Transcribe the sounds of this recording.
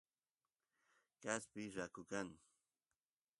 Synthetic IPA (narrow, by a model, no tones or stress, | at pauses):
kaspɪɾakʊkaŋ